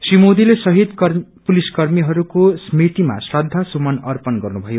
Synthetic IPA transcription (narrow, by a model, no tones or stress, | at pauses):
simod̪ilesʌɦid̪kpuliskʌrmiɦʌɾukosmit̪ima̰srʌd̪ʱːasumʌnʌrpʌnɡʌrnubʱʌjo